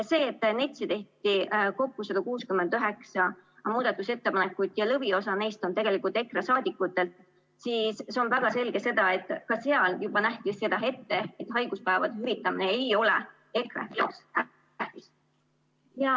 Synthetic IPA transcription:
se̞ːt̪ːˑne̞t̪ʲsit̪e̞ht̪iko̞kːusɑd̥̪ɑkuːskymend̪yɦe̞ksɑmuːd̪̥ɑt̪ːˑuse̞t̪ːe̞pɑne̞kːˑujd̪̥jɑlɤvio̞sɑne̞jst̪o̞nt̪e̞ɡ̥e̞likˑult̪e̞krɑsɑːd̪̥ʲikːˑut̪ːˑe̞lt̪ | siːseo̞nvæɡ̥ɑse̞lɡ̥e̞se̞d̪̥ɑe̞t̪ːˑkɑse̞ɑljub̥ɑnæht̪isse̞d̪̥ɑɦe̞t̪ːe̞et̪ɦɑjɡ̥uspæːvɑd̪ehyvit̪ːˑɑmine̞ejo̞le̞̰ | e̞krḛsæ | æht̪is | jɑ

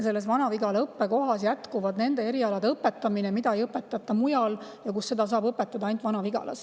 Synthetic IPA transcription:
se̞lːesvɑnɑviɡɑleɤpːeko̞ɦɑsjæt̪kuvɑd̪ne̞nd̪e̞e̞ɾiɑlɑd̪eɤpːe̞t̪ːˑɑminemid̪ɑejɤpːˑe̞t̪ːˑɑt̪ˑːɑmujɑljɑkusːe̞d̪̥ɑs̬ɑːbɤpːˑe̞t̪ːˑɑd̪ɑɑjnt̪vɑnɑviɡ̥ɑ̰lʔɑ̰s

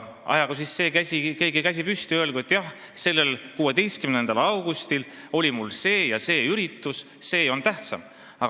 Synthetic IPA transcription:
ʔɑ̰jɑɡ̥us̬isːe̞ːkæsike̞ːɡikæs̬ipyst̪iøelɡ̥uet̪ːˑjɑh | se̞lːe̞lkuːe̞d̪e̞jst̪kymnend̪̥ɑlɑwɡ̥ust̪il | o̞lʲimulse̞ːjɑse̞ːyɾit̪ːˑus | se̞ːo̞nt̪æht̪sɑm | ɑ

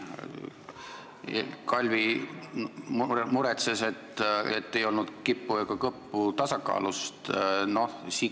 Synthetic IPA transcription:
kɑlʲvi | mmuɾet̪sese̞t̪ːḛt̪ːe̞jo̞lnud̪̥kipːuekɑkɤpːut̪ɑsɑkɑ̰ːlust̪no̞hsi

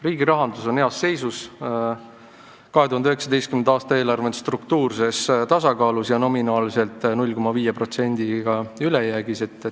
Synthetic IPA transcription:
riːɡiɾɑɦɑnd̪uso̞neɑsːe̞jsus | kɑɦet̪uhɑnd̪yɦeksɑd̪ejst̪kymend̪ɑːst̪ɑeːlɑrve̞nst̪rukt̪uːrse̞st̪ɑsɑkɑːlusjɑno̞minɑːlise̞lt̪ːˑnulʲko̞mɑviːjepro̞t̪se̞nʲd̪̥iɡ̥ɑylejæːɡ̥ise̞t̪ːˑ

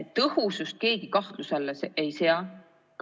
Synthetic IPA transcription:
t̪ɤhusust̪̚ke̞ːɡ̥ikɑht̪luselːeseʔejseɑ | k

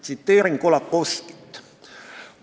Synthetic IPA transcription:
t̪sit̪ːeːɾiŋkolɑkːoski̥t̪ːˑ

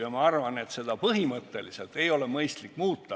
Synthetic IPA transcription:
jɑmɑɑrvɑne̞t̪se̞d̪̥ɑpɤɦimɤt̪ːˑe̞liselt̪e̞jo̞le̞mɤjst̪likːmuːt̪ˑːɑ

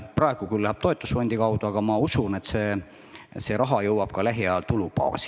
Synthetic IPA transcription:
prɑeɡ̥ukylːæɦeb̥̚t̪o̞et̪ːˑusfo̞nʲd̪̥ikɑwd̪̥uɑɡ̥ɑmɑusunet̪seː | se̞ːɾɑɦɑjɤwɑb̥kɑlæɦjɑt̪ulupɑ̰ːsi̥

